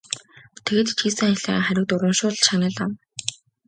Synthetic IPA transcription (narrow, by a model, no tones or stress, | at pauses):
t̪ʰeɣeːt̪it͡ɕʰiːsɘ̆ŋɮa̰ːχæɾʲɪ̆k̚t̪ʊɾwə̆mʃʊːɮʃanʲə̆ɮam